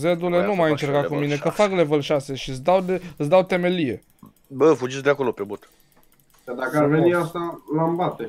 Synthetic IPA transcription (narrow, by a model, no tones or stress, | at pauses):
ze̞d̪ule̞numajɨnt͡ʃe̞ɾkakumine̞kəfakle̞vəlʃase̞ʃisd̪awd̪ɨsd̪awt̪e̞me̞lije̞̰ | bəfud͡ʒisd̪eako̞lo̞pebut̪ | jad̪akəarveniast̪alambat̪e